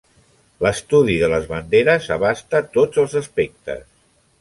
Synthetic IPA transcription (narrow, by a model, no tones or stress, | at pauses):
ləst̪uðiðələzβənd̪eɾəzəβ̞ast̪ət̪od͡zəlˠzəspek̚t̪ə̰s